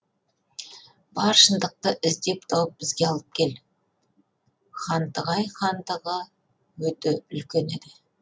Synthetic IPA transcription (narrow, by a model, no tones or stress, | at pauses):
b̥ɑɾʃənd̪əq̚t̪əʔɪzd̪e̞p̚t̪ʰɑwəp̚bɪzɡʲe̞ɑlˠəp̚kʲʰe̞l | χɑnt̪əʁɑjχɑnt̪əʁə | wɵt̪ɪʏlkʲe̞ned̪ɪ